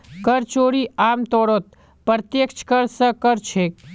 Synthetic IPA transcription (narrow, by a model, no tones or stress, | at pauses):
kəɾt͡ʃoɾiaːmt̪oɽot̪̚ | pɾt̪jəkʃkəɾsə̃kəɾt͡ʃʰe